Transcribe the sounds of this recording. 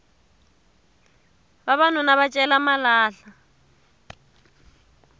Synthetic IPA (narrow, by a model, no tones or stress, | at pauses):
βaβan̤ʊnaβat͡ʃʼɛlamalaːɬa